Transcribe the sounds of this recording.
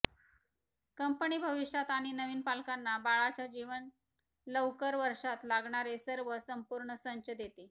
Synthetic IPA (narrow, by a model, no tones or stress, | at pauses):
kəmpəɳiːbʱəʋiʂjat̪aɽ̃inəʋiːnpalkanːabaɭat͡ɕjad͡ʑiʋən | ləwkəɾʋəɾʂat̪laɡɳaɾesəɾʋəsəmpuɾɳəsəɲt͡ɕəd̪et̪e